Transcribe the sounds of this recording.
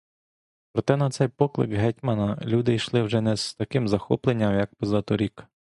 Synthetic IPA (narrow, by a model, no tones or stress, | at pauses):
pɾɔt̪ɛnɐt̪sɛjpɔklˠɪ̰kɦɛtʲmɐnɐlʲud̪ɪjʃlˠɪwʒɛnɛzt̪ɐkɪmzɐxɔ̰plˠenʲːɐmjɐk̚pɔzɑt̪ɔɾʲik